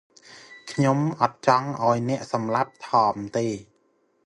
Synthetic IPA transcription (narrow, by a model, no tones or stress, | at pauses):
kʰɲomʔɑt̪̚t͡ɕɑŋʔaɔjnɛ̆əʔsɑmlap̚t̪ʰɑːmt̪eː